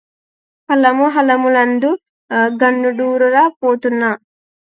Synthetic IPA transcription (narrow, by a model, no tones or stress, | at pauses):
pɐlɐmuɦɐlɐmulɐnd̪u | ɡɐɳːuɖuːɾuɾaːpoːt̪unːa